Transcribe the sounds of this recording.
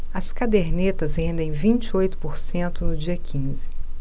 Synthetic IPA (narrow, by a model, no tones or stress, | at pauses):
ɐskad̪eɾnet̪ɐzhẽnd̪ẽj̃vĩnt͡ʃɪojt̪ʊ̥poɾsẽnt̪ʊnʊd͡ʒiɐkʰĩzɪ